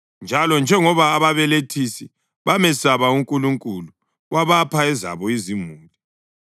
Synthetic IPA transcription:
nd͡ʒʱalɔnd͡ʒʱɛŋɔβaːβaβɛletʰisi | βamɛsaβauŋkʼuluŋkʼulu | waβapʰaɛza̰βɔizimuːli

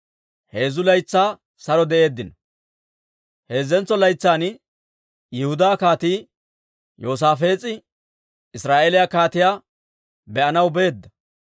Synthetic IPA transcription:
he̞ːzʊlɐjt͡sːaː | sɐɾɔd̪ɛʔe̞ːd̪ːɪnɐ | he̞ːzɛnt͡sːɔlɐjt͡sːaːn | jɪhʊd̪aːkaːt̪iː | jo̞ːs̬aːfe̞ːt͡sʼːɪ | ɪsɾaːʔeːlɪjakaːt̪ɪjaː | bɛʔɐnɐwbe̞ːd̪ːɐ

